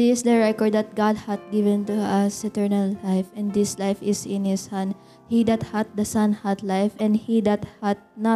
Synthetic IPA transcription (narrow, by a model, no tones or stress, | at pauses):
ɪsd̪ɐɹɛkɔɹd̪ɐt̪̚ɡad̪̚hat̪̚ɡɪvɛ̃nt̪uasɛt̪ɛɹnalːajfɛ̃nd̪ɪslajfɪsɪ̃nhɪshãn | hid̪at̪̚hat̪̚d̪ɐsãnhat̪lajfɛ̃nd̪hid̪at̪̚hat̪̚na